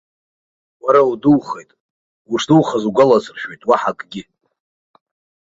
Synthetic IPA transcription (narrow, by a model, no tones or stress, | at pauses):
waɾawuduwχejtʼ | uʂduwχazuɡʷalat͡sʰʼrʃᶣejtʼwaħakʼɡʲɪ